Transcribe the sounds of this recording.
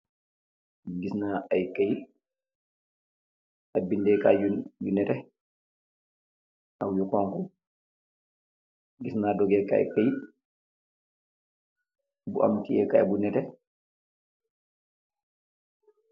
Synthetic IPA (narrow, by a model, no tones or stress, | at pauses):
ɡisnaajkaj | abindɛkajujunɛtɛ | ʔawjukɔŋku | ɡisnadɔɡɛka̰ɛ̰kaj | bṵʔa̰mtiɛkajɛbunɛtɛ